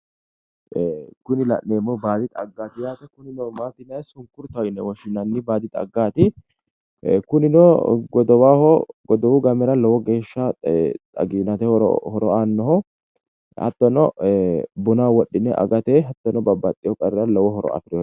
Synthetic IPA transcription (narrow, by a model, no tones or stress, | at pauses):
ɡ̥ʊnɪlɐ̰ʔneːmːɔbaːd̪ɪt̪ʼɐɡːaːt̪ɪjaːt̪ɛkʊnɪnɔmaːt̪ːɪnɐjsʊŋkʊɾt̪ɐnːɛwɔʃɪnɐnːɪbaːd̪ɪt̪ʼɐ̰ɡːaːt̪ɪ | kʊnɪnɔɡɔd̪ɔwaːhɔɡɔd̪ɔwʊɡɐmɛɾɐlɔwɔɡeːʃːɐt̪ʼɐ̰ɡinɐt̪ɛɔɔ̰hɔɾɔanːɔhɔ | hɐ̰t̪ːɔnɔ | bʊnaːwɔɗːɪnːɛʔɐ̰ɡɐt̪ɛɦɐt̪ːɔnɔbɐbːɐt̪ʼːɪjɔkʼɐɾɛɾɐlɔwɔɦɔɾɔ̰ɐ̰fɪɾɪjɔ